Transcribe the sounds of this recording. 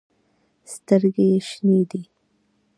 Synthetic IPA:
st̪əɾɡejeʃned̪i

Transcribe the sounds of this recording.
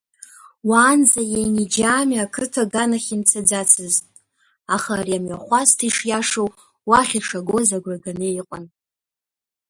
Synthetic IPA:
waːnd͡zajejnid͡ʒaːmakʰɨtʰaɡanaχʲint͡sʰad͡zat͡sʰɨztʼ | aχaːɾiamɥaχʷastʰiʂjaʂow | waχʲiʂaɡo̞zaɡʷraɡaneiqʼən

